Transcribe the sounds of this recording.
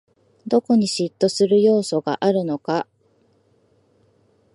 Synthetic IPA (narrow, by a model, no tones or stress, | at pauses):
d̪o̞ko̞ɲ̟iɕit̪ːo̞sɨɾɯ̟jo̞ːso̞ɡa̰ʔaɾɯ̟no̞ka